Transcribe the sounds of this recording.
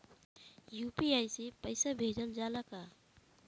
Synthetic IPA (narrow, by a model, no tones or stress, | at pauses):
jupiajsipəɪsabʱed͡ʒəld͡ʒalaka